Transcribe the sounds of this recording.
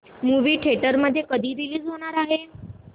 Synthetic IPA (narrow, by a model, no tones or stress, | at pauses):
muʋiːʈʰeʈəɾməd̪ʱːjekəd̪ʱiːɾiliːd͡zɦoɽ̃aɾaɦe